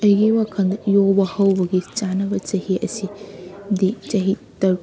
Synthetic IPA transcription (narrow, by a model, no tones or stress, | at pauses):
ɐjɡiwakʰɐndɐjobɐhɐwbɐɡit͡ʃanɐbɐt͡ʃɐhiʔɐ̰sidit͡ʃɐɦitɐ